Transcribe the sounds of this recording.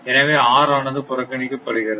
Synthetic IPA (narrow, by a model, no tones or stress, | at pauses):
ɛnɐʋeːaːɾaːnɐðɯpʊɾɐkːɐɳɪkːɯpːɐɽɯɣɪɾɐð